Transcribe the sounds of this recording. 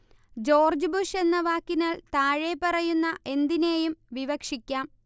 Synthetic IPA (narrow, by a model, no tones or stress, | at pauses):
d͡ʑo̞ːrd͡ʑbuʂe̞nːɐʋaːkːinaːlt̪aːɻepɐrɐjunːɐʔe̞nd̪ine̞ːjumʋiʋɐkʂikʲːaːm